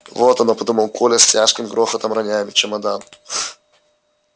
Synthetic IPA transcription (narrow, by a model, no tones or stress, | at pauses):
vot̪ɐnopɐd̪uməlˠkʰolʲɛsʲtʲaʂkʲɪmɡɾoxət̪ɐmɾɐnʲamʲɪt͡ɕɛmɐd̪an